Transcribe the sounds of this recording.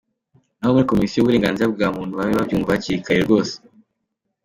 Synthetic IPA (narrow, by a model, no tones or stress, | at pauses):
nahomuɾiko̞misijuβwuɾe̞ːŋɡaːnziɾab̚ɡaːmuːn̥huβaβiβabjuːɱvahaciɾikʰaɾeɾɡo̞ːse̥